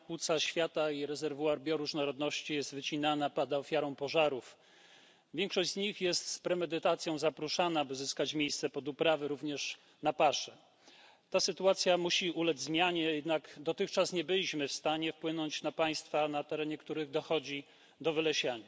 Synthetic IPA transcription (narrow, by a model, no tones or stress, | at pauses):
pwut̪saɕfʲjat̪aiɾɛzɛɾvuaɾbʲjɔɾuʐnɔɾɔd̪nɔɕt͡ɕijɛst̪vɘt͡ɕinanapad̪aɔfʲjaɾɔ̃w̃pɔʐaɾuf | vʲjɛŋkʂɔɕd͡ʑzɲixjɛst̪spɾɛmɛd̪ɘt̪at̪sʲjɔ̃w̃zapɾuʂanabɘzɘskat͡ɕmʲjejst̪sɛpɔd̪upɾavɘɾuvɲɛʂ | napaʂɛ | t̪asɘt̪uat̪sʲjamuɕiulɛd͡ʑʲzmʲjaɲɛjɛd̪naɡd̪ɔt̪ɘxt͡ʂasɲɛbɘlʲiɕmɘfst̪aɲɛfpwɘnɔɲt͡ɕnapaj̃st̪fanat̪ɛɾɛɲɛkt̪uɾɘɣd̪ɔxɔd͡ʑi | d̪ɔvɘlɛɕaɲa